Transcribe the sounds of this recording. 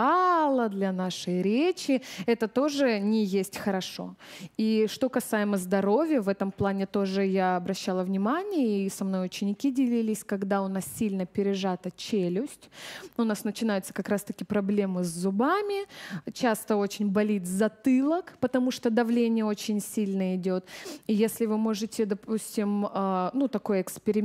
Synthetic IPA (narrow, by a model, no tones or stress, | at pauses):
alˠəd̪lʲɐnaʂɨjɾʲet͡ɕɪɛt̪ət̪o̞ʐɨnʲɪjesʲtʲxəɾɐʂo̞̰iʂt̪o̞kɐsajɪməzd̪ɐɾo̞vʲjəvɛt̪əmplˠanʲɪt̪o̞ʐɨjaɐbɾɐɕːalˠəvnʲɪmanʲɪjəisɐmno̞jʊt͡ɕɪnʲɪkʲidʲɪlʲilʲɪsʲkɐɡd̪aʊn̪assʲilʲnəpʲɪɾʲɪʐat̪ət͡ɕelʲʊsʲtʲʊnasnət͡ɕɪnajʊt̪sə̥kɐkɾast̪əkʲɪpɾɐblʲe̞mɨzʲzːʊbamʲɪt͡ɕast̪əo̞t͡ɕɪnʲbɐlʲit̪zɐt̪ɨlˠəkpət̪ɐmuʂt̪od̪ɐvlʲenʲɪjəo̞t͡ɕɪnʲsʲilʲnəɪdʲo̞t̪ijesʲlʲɪvɨmo̞ʐɨtʲɪd̪ɐpusʲtʲɪmənut̪ɐko̞jɪkspʲɪɾʲɪmʲ